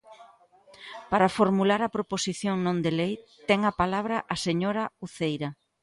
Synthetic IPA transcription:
paɾafoɾmulaɾɐpɾoposiθjoŋnõnd̪elejt̪ɛŋɐpalaβ̞ɾɐʔaseɲoɾauθejɾa

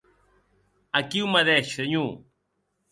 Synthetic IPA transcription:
akiwmaðɛʃeɲu

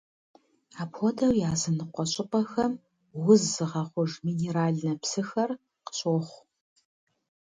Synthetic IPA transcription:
aːpʰɔdɐwjaːzɨnɨqʷɔɕʼɪqɐxɐm | wʊzːɨʁɐχʷʊʐmiːneːɾaːɮnɐpsɨxɐr | qə̥ɕʼoːχʷ

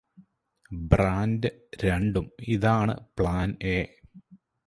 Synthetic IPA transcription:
braːndɨɾeɳɖumiðaːɳɨ̰pɭaːneː

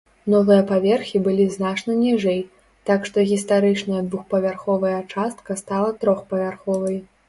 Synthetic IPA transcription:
nɔvɨjɐpavʲɛrxʲibɨlʲiznat͡ʂnɐnʲiʐɛj | t̪akʂt̪ɔɣʲist̪aɾɨt͡ʂnɐjɐd̪vuxpɐvʲarxɔvɐjɐt͡ʂast̪kɐst̪alˠɐt̪ɾɔxpɐvʲarxɔvɐjɛ

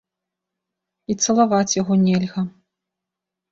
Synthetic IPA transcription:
it̪sɐlˠavat͡sʲjaɣɔnʲɛlʲɣɐ

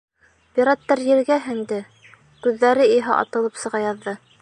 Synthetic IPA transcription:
pʲiɾɑt̪ːɑɾjɘ̆ɾɡæɦɘ̆nd̪ɘ | kʉðːæɾɘiɦɑʔɑ̰t̪ɤ̆lˠɤpsɤ̆ʁɑjɑðːɤ

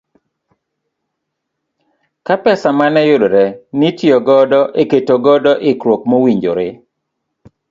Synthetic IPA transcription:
kapɛsamanɛjʊdɾɛnitjɔɡɔdɔʔeketoɡɔdɔʔɪkɾwok̚mowiɲd͡ʒo̰ɾɪ

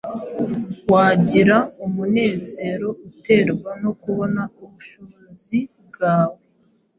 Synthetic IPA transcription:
waːɟiɾaumune̞ːze̞ːɾo̞ute̞ːɾɡwano̞kuβo̞nauβuʃoβozib̚ɡaːwe

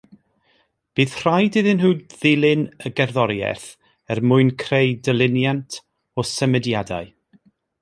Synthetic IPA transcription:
b̥ɨːθr̥ajdɪðɪnɦuːd̚ðɪlˠɪnəɡɛrðɔɾjɛ̰θ | ɛrmʊɨnkʰrejdəlˠɪnjantʰ | ɔsəmɛdjada̰ɨ

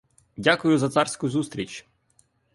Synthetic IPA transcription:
dʲakʊjʊzɐt̪sɑrsʲkʊzust̪ɾʲit͡ʃʲ

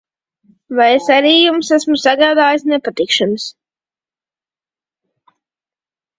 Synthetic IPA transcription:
vajesaɾiːjumsæsmusaɡaːd̪aːjisnɛpat̪ikʃanɨs

